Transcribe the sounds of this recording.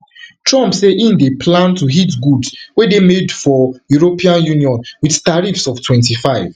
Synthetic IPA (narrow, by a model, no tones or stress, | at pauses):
tɹɔ̃mpseʔĩndepʰlãntuɦitɡudswedemedfɔjuɹopʰiãnjuniɔ̃nwiðtaɹifsɔftʰwɛ̃ntifaɪv̥